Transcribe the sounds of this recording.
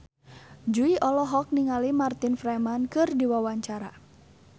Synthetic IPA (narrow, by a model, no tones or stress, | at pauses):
d͡ʒuiʔɔlɔɦɔk̚niŋalimart̪infɾɛmankɨrdiwawaɲt͡ʃaɾa